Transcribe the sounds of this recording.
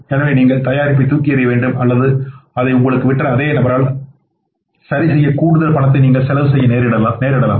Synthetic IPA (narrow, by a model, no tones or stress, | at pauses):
eːnɐʋeːniːŋɡɐɭt̪ɐjaːɾɪp̬ːit̪ːuːkːɪjɐɾɪjɐʋeːɳɖɯmɐlːɐðɯɐðɐɪʊŋɡɐɭɯkːɯʋɪʈːrɾɐɐðeːnɐbɐɾaːɭ | sɐɾɪsɛjːɐkuːɽɯðɐɾpɐɳɐt̪ːɐɪniːŋɡɐɭsɛlɐʋɯsɛjːɐneːɾɪɽɐlaːneːɾɪɽɐla̰ː